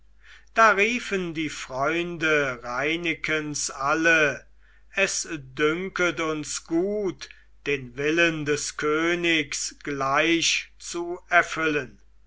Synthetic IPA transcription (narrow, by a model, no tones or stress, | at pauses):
d̥aːʁiːfəndiːfʁ̥ɔʏndəʁaɪnɪkʰənsʔalə | ɛsdʏŋkətʊnsɡ̥uːt | d̥eːnvɪləndɛskʰøːnɪksɡ̥laɪɕt͡suɛɐfʏlən